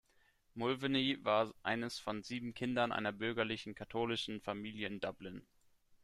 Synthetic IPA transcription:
mʊlvəniːvaːɐʔa̰ɪnəsfɔnziːbm̩kʰɪndɐnʔa̰ɪnɐbʏɐɡɐlɪçn̩kʰatʰoːlɪʃn̩famiːljəɪndʌblɪn

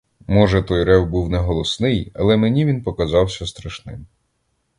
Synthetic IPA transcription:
mɔʒɛt̪ɔjɾɛwbuwnɛɦɔlˠɔsnɪjɐ̰lˠɛmenʲiʋʲinpɔkɐzɑwsʲɐst̪ɾɐʃnɪ̰m

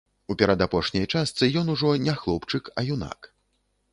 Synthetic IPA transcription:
upʲaɾad̪apɔʂnʲɐjt͡ʂast̪sɨjɔnuʐɔnʲɛxlˠɔpt͡ʂɨkɐ̰juna̰k

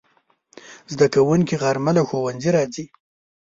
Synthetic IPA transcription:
zd̪akawuŋkiɣaɾmalawxowanziɾɑd͡zi

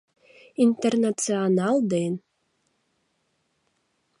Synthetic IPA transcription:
int̪ernatt͡sianalˠd̪en

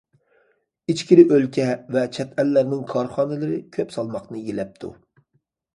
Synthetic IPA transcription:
it͡ʃkʲiɾɪʔølkʲʰɛvɛt͡ʃʰɛt̪ɛlːæɾnɪŋkʰɑɾχɑːnɨlˠɨɾɨkʲʰøpsɑlˠmɑqnɨjelɛp̚t̪ʰṵ

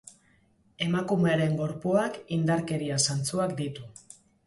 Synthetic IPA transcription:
e̞makume̞aɾe̞ŋɡo̞ɾpoakind̪aɾke̞ɾiasant͡suakd̪it̪u

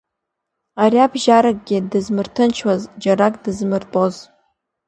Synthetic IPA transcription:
aɾiabʒaɾakʼɡʲɪdɨzmɨrtʰɨnt͡ʃʰwazd͡ʒaɾakʼdɨzmɨrtʼoz

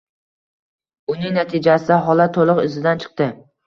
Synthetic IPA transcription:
ʊnɪŋnat̪ʰɪd͡ʒasɪd̪aɦɒlat̪ʰːolˠʊqɪzɪd̪ant͡ʃʰɨ̥q̚t̪ɪ

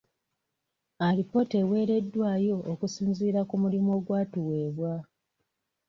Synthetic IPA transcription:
alipo̞tewe̞ːɾe̞dːwaːjo̞ːkusiːnziːɾakumulimo̞ɡwaːtuwe̞ːβwa

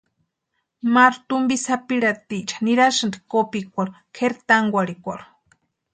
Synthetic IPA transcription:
maɾut̪umbisapiɾat̪it͡ʃḁniɾaʃɨnd̪kopik̚ʷaɾu | kʰeɾt̪aŋɡʷaɽikʷaɾu̥

